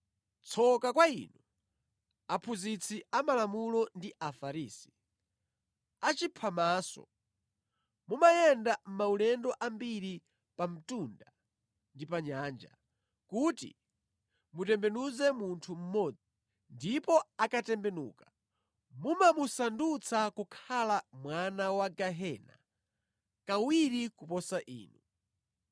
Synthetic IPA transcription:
t͡sʰɔkakwaḭːnu | apʰuzit͡sʰiamalamulɔndiʔafaɾiːsi̥ | at͡ʃipʰamaːsɔ̰ | mumajɛndam̩maulɛndɔʔambiɾi | pam̩tunda | ndipaɲaːnd͡ʒa̰ | kutḭ | mutɛmbɛnuzɛmuntʰum̩mɔd͡zi | ndipɔakatɛmbɛnṵːka | mumamusandut͡sʰakukʰalamwanawaɡaɦɛna̰ | kawiɾikupɔsaʔḭːnu

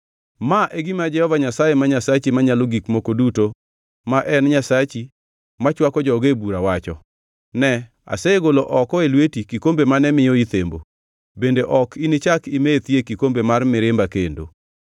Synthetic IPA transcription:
maʔeɡɪmad͡ʒɛhɔvaɲasajemaɲasat͡ʃimaɲaloɡikmokoduto | maʔɛnɲasat͡ʃi | mat͡ʃwakɔd͡ʒɔɡebuɾawat͡ʃɔ | nɛ | a̰sɛeɡoloʔɔkɔelwetikikombemanɛmɪjɔit̪embo̰ | bendeʔɔkinɪt͡ʃakimet̪jekikombemarmɪɾɪmbakendo̰

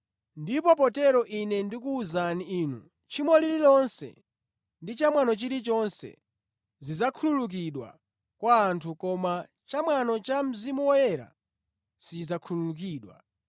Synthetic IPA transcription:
ndipɔpɔtɛɾɔʔinɛndikuːzaniiːnu | t͡ʃʰimɔlililɔnsɛ̰ | ndit͡ʃamwanɔt͡ʃiɾit͡ʃɔnsɛ̰ | zizakʰululuk̬iɗwa̰ | kwaːntʰukɔma | t͡ʃamwanɔt͡ʃam̩zimuwɔjɛɾa̰ | sid͡zakʰululuk̬iːɗwa̰

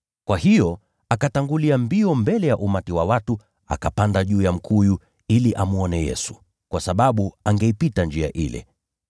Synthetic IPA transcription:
kwahijɔ | akataŋɡuliambiɔmbɛlɛjaʔumatiwawatu | a̰kapandaʄuːjam̩kʰuju | iliʔamuɔnɛjɛ̰su̥ | kwasaɓaɓuaŋɡaipitand͡ʒia̰ʔḭlɛ̰

